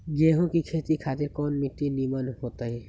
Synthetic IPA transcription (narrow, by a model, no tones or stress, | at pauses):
ɡeːɦõkikʰeːt̪ikʰaːt̪ɪɾkɔːnmɪt̪ːinimənɦoːt̪aɦɛː